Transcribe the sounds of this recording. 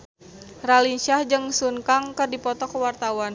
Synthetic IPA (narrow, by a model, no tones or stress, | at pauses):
ralinʃahd͡ʒɨŋsunkaŋkɨrdipɔt̪ɔkəwart̪awan